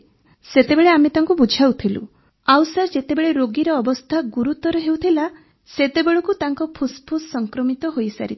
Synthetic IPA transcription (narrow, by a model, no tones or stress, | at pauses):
set̪ebeɭeamet̪aŋkubud͡ʒʱawt̪ʰilṵ | awsaɾd͡ʒet̪ebeɭeɾoɡiɾɔːbɔst̪ʰaɡuɾut̪ɔɾɔɦewt̪ʰila | set̪ebeɭɔkut̪aŋkɔpʰuspʰussɔŋkɾɔmit̪ɔɦojsa̰ɾit̪ʰ